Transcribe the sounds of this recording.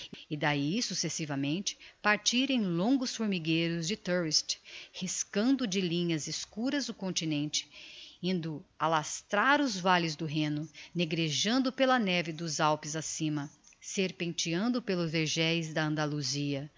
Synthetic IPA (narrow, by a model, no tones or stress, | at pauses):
ɪd̪aisusesivɐmẽnt͡ʃɪ̥paɾt͡ʃiɾẽj̃lõŋɡʊsfʊɾmiɡejɾʊzd͡ʒɪt̪ɛɾist͡ʃhiskɐ̃nd̪ʊd͡ʒɪlĩɲɐzɪskuɾɐzd̪ʊkõnt͡ʃinẽnt͡ʃɪ̥ĩnd̪ʊalast̪ɾaɾʊzvalɪzd̪ʊɦẽnʊneɡɾeʒɐ̃nd̪ʊpelɐnɛvɪd̪ʊzawpɪzasĩmɐseɾpẽnt͡ʃiɐ̃nd̪ʊpelʊzveɾʒɛjzd̪ɐɐ̃nd̪aluziɐ